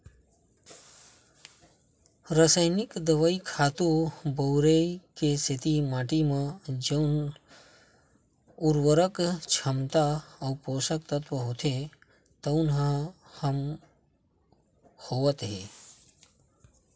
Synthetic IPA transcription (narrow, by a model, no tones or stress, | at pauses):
ɾəsəjnɪkd̪əʋaikʰaːt̪ũbowɾeikesʰɪt̪imaːʈimãd͡ʒən | ʊɾwəɾəkt͡ʃʰəmt̪aɐwpoːsək̚t̪ət̪ʋəɦoːt̪ʰe | t̪oʊnɦəhəm | hoːʋət̪ɦe